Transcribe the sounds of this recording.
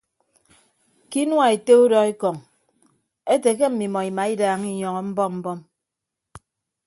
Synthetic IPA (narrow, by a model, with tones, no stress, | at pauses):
ki˦nwa˨e˨te˦u˦dɔ˦e˦kɔ˨ŋ | e˦te˨ke˦m̩˨mi˨mɔ˨i˨ma˨i˦daː˨ŋi˦ɲɔ˨ŋɔ˨m̩˦bɔ˦mm̩˦bɔ˦m